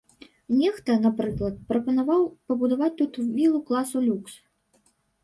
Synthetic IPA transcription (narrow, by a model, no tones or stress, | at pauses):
nʲɛxt̪ɐnapɾɨklˠɐt̪̚pɾɐpɐnavawpɐbud̪avat͡sʲt̪ut̪wbʲilˠuklˠasulʲuks